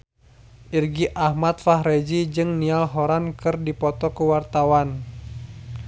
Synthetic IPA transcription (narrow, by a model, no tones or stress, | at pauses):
ʔirɡiʔahmat̪fahɾed͡ʒid͡ʒɨŋnialɦɔɾankɨrdipɔt̪ɔkəwart̪awan